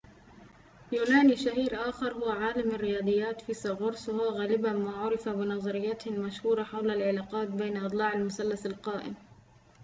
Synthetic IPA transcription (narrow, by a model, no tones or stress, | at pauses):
juːnaːniʃahiːɾʔaːxɑɾˤhʊwːaʕaːlamarːɪjɑːd̪ˤɨjːaːt̪fiːsˤɑɣʊɾswhʊwːaɣaːlɪbamaːʕʊɾɪfabɪnɑzˤɑɾɪjːat̪ɪhɪlmaʃhuːɾˤɑħawlalʕɪlaːqɑːt̪̚beːnʔɨd̪ˤlɑːʕalmʊsalːasalqɑːʔɪ̰m